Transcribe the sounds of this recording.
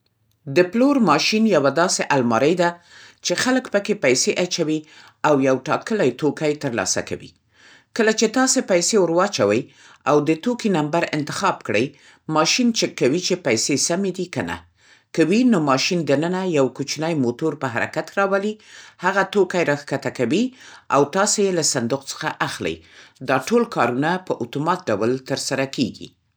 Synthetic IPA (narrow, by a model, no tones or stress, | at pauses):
d̪əploɾmɑʃinjawad̪ɑseʔalmɑɾəjd̪a | t͡ʃexaləkpəkepajseʔat͡ʃawi | awjawʈɑkəlajt̪okajt̪əɾlɑ̰sa̰ka̰wḭ | kəlat͡ʃet̪ɑsepajsewʊɾwɑt͡ʃawəj | awd̪ət̪okinambaɾɪ̰nt̪ɪ̥xɑbkɽəj | mɑʃint͡ʃəkːawit͡ʃepajsesamed̪ikəna̰ | kawinomɑʃind̪ənənajawkut͡ʃnəjmot̪oɾpəɦaɾa̰kat̪ɾɑwalihaɣat̪okajɾɑxkat̪akawia̰wt̪ɑsejelasand̪ʊqt͡sə̥xaʔaxlə̰jd̪ɑʈolkɑɾunapəʔʊt̪umɑt̪̚ɖawlt̪əɾsaɾakeɡḭ